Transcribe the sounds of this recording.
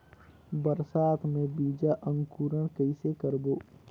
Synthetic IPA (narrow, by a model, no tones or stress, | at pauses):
bəɾsaːt̪ʰmẽbiːd͡ʒaʔə̃ŋɡkuːɾəñkəɪsekəɾboː